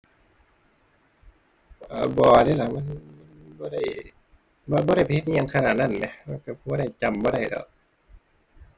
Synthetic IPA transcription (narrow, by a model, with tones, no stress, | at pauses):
ʔaː˧˩bɔː˨˩˨daː˧˥˨la˧˩ma˧˥˨nma˧˥˨nbɔː˧˦da˧˩j | bɔː˧˦bɔː˧˦ɾa˥˩jpʰhe˧t̪̚ːɲa˧ŋkʰa˧naː˧˩t̪̚na˧˥˩nlɛ˧˦lɛ˧˩ka˧˩bɔː˧˦ɾa˧˩jt͡ɕa˧˩˨mbɔː˧˦ɾa˧˩jdɔ̰ː˨ʔ̚